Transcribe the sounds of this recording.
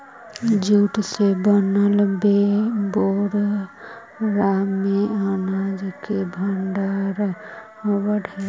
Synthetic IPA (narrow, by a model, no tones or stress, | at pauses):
d͡ʒuʈsebənəlbeboɾ | ɾamːeanad͡ʒkebʱəɳɖaɾ | obəɖʱə